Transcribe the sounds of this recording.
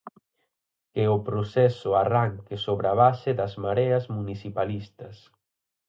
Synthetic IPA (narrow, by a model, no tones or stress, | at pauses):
keʊpɾosɛsʊaraŋkesoβɾaβasɪðɐzmaɾɛɐzmuniθipalist̪ɐs